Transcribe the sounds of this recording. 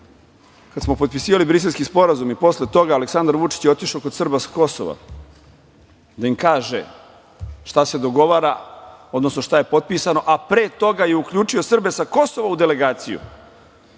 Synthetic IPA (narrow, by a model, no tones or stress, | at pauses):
kad̪smopo̞t̪̚pisiːʋalibɾis̬e̞lskispo̞ɾazumipo̞sle̞t̪o̞ɡaːleksand̪aɾʋut͡ʂi̥t͡ɕjeot̪iʃokod̪sr̩basḁko̞so̰ʋa̰ | d̪aimkaːʒḛ | ʃt̪ase̞d̪o̞ɡo̞ʋaːɾaod̪no̞sno̞ʃt̪aje̞po̞t̪̚pisano̞ʔapɾeːt̪o̞ɡaje̞ukʎuːt͡ʂio̞sr̩besako̞so̞ʋaud̪e̞le̞ɡaːt̪sijṵ